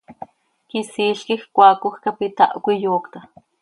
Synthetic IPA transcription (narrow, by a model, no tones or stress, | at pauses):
kisiːɬkixkʷaːkuxkapit̪a̰ʔkʷijoːkt̪a